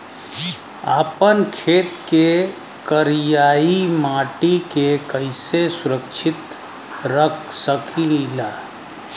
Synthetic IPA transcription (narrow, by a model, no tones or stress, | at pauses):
aːpənkʰeːt̪ke | kəɾijaimaːʈikekəɪsesʊɾəkt͡ʃʰɪt̪ | ɾəkʰsəkʰilaː